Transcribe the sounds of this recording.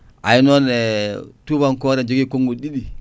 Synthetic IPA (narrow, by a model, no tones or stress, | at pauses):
a̰inonetubaŋkoɾed͡ʒoɡikoŋɡoɗiɗi